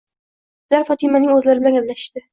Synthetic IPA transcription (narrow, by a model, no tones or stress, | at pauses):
sɪlaɾfɒt̪ʰɪmanɪŋɵzlaɾɪbɪlaŋablaɪ̥ʃt̪ɪ